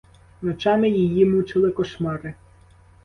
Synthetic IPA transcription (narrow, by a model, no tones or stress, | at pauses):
nɔt͡ʃɑmɪjijimut͡ʃɪlˠɪkɔʃmɑɾɪ